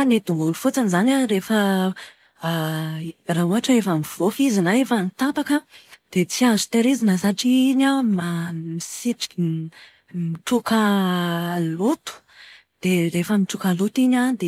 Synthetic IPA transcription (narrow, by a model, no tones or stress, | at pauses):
aned̪uŋɡulufut͡sanizanʲarefə | raɦuaʈ͡ʂaefəmiv̥ofizinaefanit̪apakəd̪̥et͡siazut̪eɾezinəsaʈ͡ʂiɲamamisiʈ͡ʂi̥ki | miʈ͡ʂuka | lut̪u̥ | d̪̥erefəmiʈ͡ʂukalut̪iɲad̪e